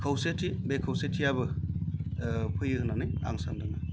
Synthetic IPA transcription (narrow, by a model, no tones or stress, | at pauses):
kʰawsetʰibekʰawsetʰijabɯ | pʰɯjɯkɯnanɯja̰ŋsandɯna